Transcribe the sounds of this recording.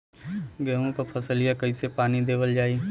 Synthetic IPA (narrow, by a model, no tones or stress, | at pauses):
ɡɛːɦõkopʰɐsəlijakɐisepaːnid̪eːʋəld͡ʒaːi